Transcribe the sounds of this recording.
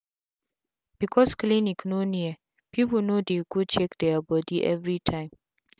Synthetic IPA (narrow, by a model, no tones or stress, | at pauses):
b̥ikʰɔskliniknoni | pʰipənodekud̚t͡ʃɛkd̪ɛbɔdiʔɛ̰vɹitʰãɪ̃m